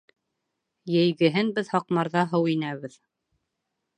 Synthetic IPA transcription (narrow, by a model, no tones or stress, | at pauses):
jɘ̆jɡɘ̆ɦɘnbɘðhɑqmɑɾðɑɦɤwinæβɘð